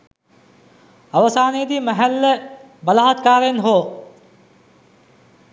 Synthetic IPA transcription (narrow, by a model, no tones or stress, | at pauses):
ɐʋɐsaːnejd̪imɐɦælːə | bɐlaɦat̪kaːɾenɦoː